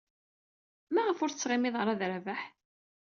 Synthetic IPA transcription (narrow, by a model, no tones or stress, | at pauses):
mæʁəfʊɾθt͡sːʁɪmɪðˤʁəɾˤɑðɾævaħ